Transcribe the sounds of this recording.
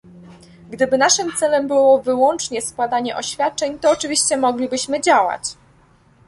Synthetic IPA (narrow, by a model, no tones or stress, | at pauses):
ɡd̪ɘbɘnaʂɘmt̪sɛlɛmbɘwɔvɘwɔnt͡ʂɲɛskwad̪aɲɛʔɔɕfʲjat̪̚t͡ʂɛɲt̪ɔːt͡ʂɘvʲiɕt͡ɕɛmɔɡlʲibɘɕmɘd͡ʑawa̰t͡ɕ